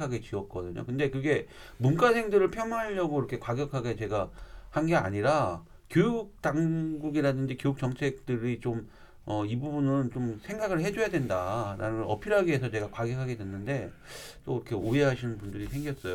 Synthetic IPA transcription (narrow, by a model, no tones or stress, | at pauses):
aɡe̞t͡ɕiʌt̚k͈ʌdɯɲo̰kɯnde̞kɯɡe̞ | munk͈asʰe̞ŋdɯɾɯɭpʰjʌmaʎːʌɡoiɾʌkʰe̞kwaɡjʌkʰaɡe̞t͡ɕe̞ɡahanɡea̰ɲiɾa | kjojuk̚t͈aŋɡuɡiɾadɯnd͡ʑikjojuk̚t͡ɕʌmt͡ɕʰe̞k̚t͈ɯɾit͡ɕom | ʌibubunɯnt͡ɕomsʰe̞ŋɡaɡɯɭɦe̞d͡ʑojadwendaɾa̰nɯʌ̰pʰiɾaɡiɦe̞sʰʌt͡ɕe̞ɡakwaɡjʌkʰaɡe̞dwe̞nːɯnde̞t͈oiɾʌkʰe̞oe̞ɦaɕʰinɯnbundɯɾisʰe̞ŋɡjʌs͈ʌjo